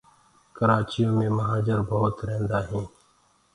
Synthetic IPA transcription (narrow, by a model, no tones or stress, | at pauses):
kəɾaːt͡ʃɪjõːmẽːməɦaːd͡ʒəɾbəːʊt̪ɾeɦẽnd̪aːɦĩː